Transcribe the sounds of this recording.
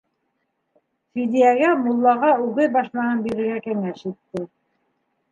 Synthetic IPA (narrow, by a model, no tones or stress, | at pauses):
fid̪ijæɡæmulˠːɑʁɑʉɣɘðbɑʃmɑnɤnbiɾɘ̆ɾɡækæŋæʃit̪ːɘ